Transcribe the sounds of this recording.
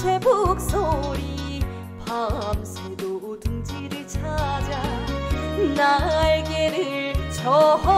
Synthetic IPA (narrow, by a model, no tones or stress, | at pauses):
tʰebok̚s͈oɾi | pamsʰedoodɯŋd͡ʑiɾɯɭt͡ɕʰad͡ʑa | naɭɡeɾɯɭt͡ɕʰʌɦʌ